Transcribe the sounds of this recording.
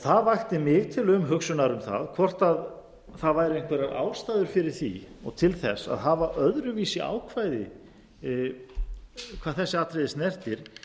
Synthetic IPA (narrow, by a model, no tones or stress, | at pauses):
θaðvajxt̪ɪmɪːɣt̪ʰɪlʏmɦʏksʏnaɾʏmθa̰ðkʰvɔr̥t̪að | θaðvajɾejnŋ̥kʰvɛɾaɾʔa̰ːwst̪aːjðʏɾ̥fɪɾɪɾ̥θḭɔɣt̪ʰɪlθɛsːa̰ðɦavaʔœðɾʏviːsɪʔa̰ːwkʰvajðɪ | kʰvaːðθɛsːɪaːt̪ɾejðɪsnɛr̥t̪ɪɾ̥